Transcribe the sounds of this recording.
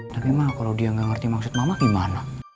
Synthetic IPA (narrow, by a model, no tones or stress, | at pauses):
t̪apimakalawdiaŋɡaŋərt̪imaksʊt̪̚mamaɡimana